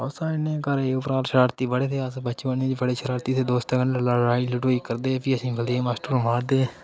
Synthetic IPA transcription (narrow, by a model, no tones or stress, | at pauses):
ɔːsãːɪnːeːkəɾeːʊpəɾaːlʃəɾaːɾt̪iːbəɽeːt̪ʰeːəsbət͡ʃbəneːd̪ibəɽeːʃəɾaːɾt̪iːt̪ʰeːd̪oːst̪ːkənəlaɾaːiləʈoːiːkəɾd̪eːpʰiːəsĩːbəld̪ieːmaːsʈoːɾmaːɾd̪eː